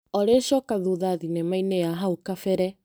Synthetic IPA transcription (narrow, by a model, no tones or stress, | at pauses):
ɔɾeʃɔkaðuðaðinemaineaɦaukafɛɾɛ